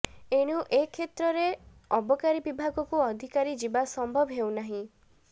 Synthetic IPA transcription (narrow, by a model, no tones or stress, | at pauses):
eɽ̃uʔekʰet̪ɾɔɾe | ɔbɔkaɾibibʱaɡɔkuɔd̪ʱikaɾid͡ʒibasɔmbʱɔbɦewnaɦĩ